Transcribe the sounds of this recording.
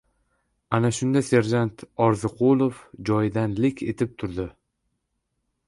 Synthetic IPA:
anaʃʊnd̪ase̞ɾd͡ʒant̪ʰɒɾzɨqʰolˠofd͡ʒɒjd̪anlɪkʲʰe̞t̪ʰɪp̚t̪ʰʊɾd̪ɪ

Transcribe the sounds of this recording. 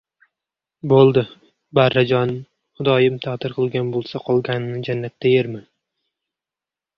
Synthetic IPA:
bolˠd̪ɪ | baɾːad͡ʒɒnɪm | χʊd̪ɒjɪmt̪ʰat̪ʰɪɾqʰɨlˠɡʲanbolˠsaqʰɒlˠɡʲanɪnɪd͡ʒanːat̪ːajeɾmɪ

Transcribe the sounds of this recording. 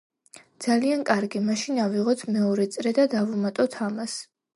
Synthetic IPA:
d̪z̥aliankʼaɾɡimaʃinaviʁɔt̪ʰmɛɔɾɛt̪sʼɾɛd̪ad̪avumat̪ʼɔt̪ʰamas

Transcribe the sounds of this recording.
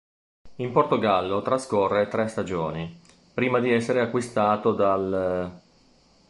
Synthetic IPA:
import̪oɡalːot̪ɾaskorːet̪ɾɛst̪ad͡ʒoːni | pɾiːmad̪iɛsːeɾeakːwist̪aːt̪od̪al

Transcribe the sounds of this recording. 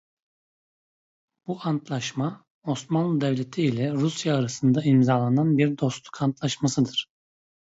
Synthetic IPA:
b̥uant̪ʰlˠaʃma | o̞smanlˠɯd̪ɛvlʲet̪ʰiːlʲɛɾusjaːɾasɯnd̪aimzaːlˠananbiɾd̪o̞st̪ˠu̥kʰant̪ʰlˠaʃmasɯd̪ɯɾ̥

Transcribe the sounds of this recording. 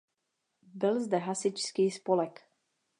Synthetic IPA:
bɪlzd̪ɛɦasɪt͡ʃskiːspolɛk

